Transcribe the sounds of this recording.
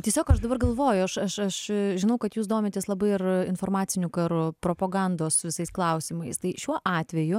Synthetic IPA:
t̪ʲiɛsʲoːkɐʃd̪ɐbɐrɡɐlˠʋoːjʊɐʃɐʃɐʃʒʲɪnɐʊkɐt̪juːsd̪oːmʲeːt̪ʲeːslˠɐbɐɪɪrɪnfoːrmɑːt̪sʲɪnʲʊkɐɾʊpɾoːpoːɡɑnd̪oːsʋʲɪsɐɪsklˠɐʊsʲimɐɪst̪ɐɪʃʲuɔʔɑːt̪ʲʋʲɛjʊ

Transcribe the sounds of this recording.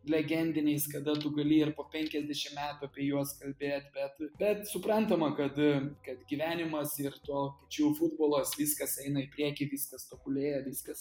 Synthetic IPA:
lʲɛɡʲɛnʲd̪ʲɪnʲɛɪskɐd̪ɐt̪ʊɡɐlʲiːɪrpoːpʲɛŋʲkʲɛzʲd̪ʲɛʃʲɪmmʲæːt̪ʊɐpʲiɛjuɔskɐlʲbʲeːt̪bʲɛt̪bʲɛt̪sʊpɾɐnt̪ɐmɐkɐt̪kɐt̪ɡʲiʋʲæːnʲɪmɐsɪrt̪uɔpɐt͡ʃʲuːfʊd̪̚boːlˠoːsʋʲiːskɐsɛɪnɐɪpʲɾʲiɛkʲɪʋʲiːskɐst̪okʊlʲeːjɛʋʲiskɐs

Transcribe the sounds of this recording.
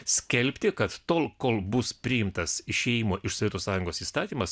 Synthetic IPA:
sʲkʲɛlʲpʲt̪ʲɪkɐt̪t̪oːlˠkoːlˠbʊspʲɾʲɪjɪmt̪ɐsɪʃʲɛːjimoːʔɪʃsoɔʋʲiɛt̪oːssɑːjʊŋɡoːsiːst̪ɑːt̪ʲiːmɐs

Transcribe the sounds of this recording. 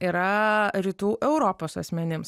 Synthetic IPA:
iːɾɐɾʲiːt̪uːʔɛʊɾoːpoːsɐ̰sʲmʲɛnʲɪms

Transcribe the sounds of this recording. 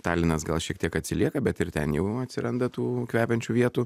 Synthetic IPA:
t̪ɑːlʲɪnɐsɡɐlˠʃʲiɛk̚t̪iɛkɐt̪ʲsʲɪlʲiɛkɐbʲɛt̪ɪɾt̪ʲɛ̰njɛʊɐt̪ʲsʲɪɾɐnd̪ɐt̪uːkʋʲæːpʲɛnʲt͡ʃʲuːʋʲiɛt̪uː

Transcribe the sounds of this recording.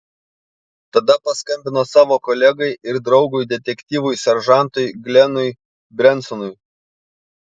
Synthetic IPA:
t̪ɐd̪ɐpɐskɐmʲbʲɪnoːsɑːʋoːkɔlʲɛɡɐɪʔɪɾd̪ɾɒʊɡʊjd̪ʲɛt̪ʲɛkʲt̪ʲiːʋʊjsʲɛɾʒɑˑnt̪ʊjɡlʲɛnʊj | bʲɾʲɛnt̪sɔnʊɪ

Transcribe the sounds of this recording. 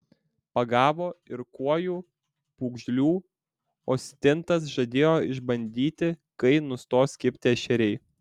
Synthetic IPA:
pɐɡɑːʋoːɪɾkuɔjuː | puːɡʒʲlʲuː | oːsʲt̪ʲɪnt̪ɐs̬ʒɐd̪ʲeːjoːɪʒbɐnʲd̪ʲiːt̪ʲɪkɐɪnʊst̪oːsʲkʲɪpʲt̪ʲɪɛʃʲɛɾʲɛɪ

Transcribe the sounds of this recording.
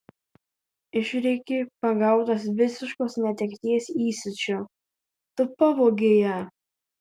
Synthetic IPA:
ɪʃʲɾʲɛkʲepɐɡɐˑʊt̪ɐs̬ʋʲɪsʲɪʃkoːsnʲɛt̪ʲɛkʲt̪ʲiɛsʲiːsʲɪt͡ʃʲo | t̪ʊpɐʋoːɡʲeːjɛ

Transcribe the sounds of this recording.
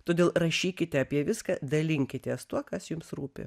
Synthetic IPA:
t̪oːd̪ʲeːlˠɾɐʃʲiːkʲɪt̪ʲɛɐpʲiɛʋʲɪskɑd̪ɐlʲɪŋʲkʲɪt̪ʲɛst̪uɔkɐsjʊmsɾuːpʲɪ̰

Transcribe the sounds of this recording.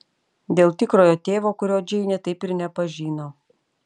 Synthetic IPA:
d̪ʲeːlˠt̪ʲɪkɾoːjoːt̪ʲeːʋoːkʊɾʲoːd͡ʒʲɛɪnʲɛt̪ɐɪpɪɾnʲɛpɐʒʲiːnoː

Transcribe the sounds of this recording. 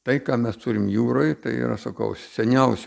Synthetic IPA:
t̪ɐɪkɑːmʲɛst̪ʊɾʲɪmjuːɾoːjt̪ɐɪḭɾɐ̰sɐkɐ̰ʊsʲɛnʲɛʊsʲ

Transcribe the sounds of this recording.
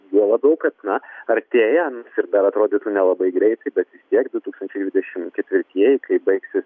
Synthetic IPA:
juɔlˠɐbʲɛʊkɐt̪nɐɐrʲt̪ʲeːjɛɐnsɪɾd̪ɐɾɐt̪ɾoːd̪ʲɪt̪unʲɛlˠɐbɐɪɡɾʲɛɪt̪ɐɪbʲɛt̪ʋʲɪst̪ʲiɛkd̪ʊt̪uːkst̪ɐnʲt͡ʃʲɛɪd̪ʲʋʲɪd̪ʲɛʃʲɪmkʲɛt̪ʲʋʲɪɾʲt̪ʲiɛjɪkɐɪbɐɪksʲɪs

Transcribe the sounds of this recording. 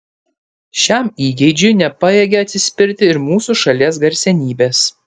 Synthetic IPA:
ʃʲɛmiːɡʲɛɪd͡ʒʲʊjnʲɛpɐjeːɡʲeɐt̪ʲsʲɪsʲpʲɪɾʲt̪ʲɪɪɾmuːsuˑʃɐlʲiɛs̬ɡɐɾʲsʲɛnʲiːbʲeːs

